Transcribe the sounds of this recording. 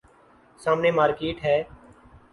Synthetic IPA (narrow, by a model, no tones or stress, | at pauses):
saːmneːmaːɾkeːʈɦɛː